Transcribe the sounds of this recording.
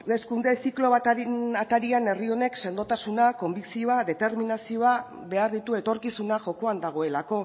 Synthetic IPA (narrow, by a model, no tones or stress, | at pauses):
eskund̪e̞siklo̞βaat̪aɾiane̞rio̞ne̞kse̞nd̪o̞t̪asunako̞mbiksioaðe̞t̪e̞ɾminasio̞a | βe̞aɾðit̪ue̞t̪o̞ɾkisunaʝo̞ko̞and̪aɣ̞o̞e̞lako̞